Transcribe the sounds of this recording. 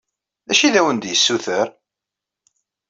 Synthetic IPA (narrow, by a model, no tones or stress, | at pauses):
ðæʃiðæwənd̪jəsːuθəɾ